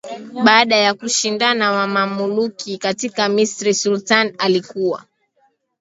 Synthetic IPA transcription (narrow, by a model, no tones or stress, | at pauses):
ɓaːɗajakuʃindanawamamulukikatikamisɾisultanalikuwa̰